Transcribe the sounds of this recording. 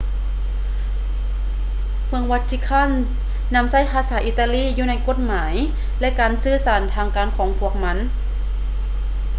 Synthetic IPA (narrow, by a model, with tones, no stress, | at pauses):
mɯ˧əŋwa˧˥t̪̚t͡ɕʰi˧˥kʰa˧˥˨nː | a˧˥msa˥˩jpʰaː˧˦saː˩˦ʔi˧˩t̪ːaː˧liː˥˨juː˧na˧˥jko˧˥˩t̪̚maː˩˦j | lɛ˧ʔkaː˨˩nsɯː˧˥˩saː˩˦nt̪ʰaː˧ŋkaː˨˩nkʰɔː˨˦ŋpʰu˧˥˩ək̚ma˧˥n